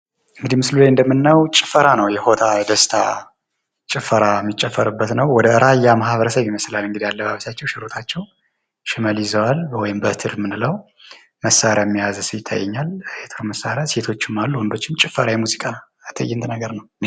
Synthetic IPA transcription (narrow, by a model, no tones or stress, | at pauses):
ɨŋɡɨd̪imɨslulajɨnd̪əmːɨnːəwt͡ʃʼɪ̥fəɾanəwjɛho̞t̪ʰad̪əst̪ʰa | t͡ʃʼɪfəɾamːit͡ʃʼːɛfːəɾɨbːət̪nəwwɔd̪əɨɾʔajamahβəɾəsəβiməslalɨŋɡɨd̪ijalːəbaβəsat͡ʃːɛwʃɪɾo̞t̪ʰat͡ʃːɛw | ʃɪməljɪzəwalwɔjɪmbət̪ʰɨɾmɨnɨləw | məsaɾjamːijazsɨjɪt̪ʰːa̰jːɛɲːalet̪ʰɾoməsːaɾjase̞t̪ʰo̞t͡ʃːɪmːalːuhund̪ot͡ʃːɪmt͡ʃʼɪfːəɾajɛmuzikʼa | t̪ʰəjːɛnt̪ʰnəɡəɾnəw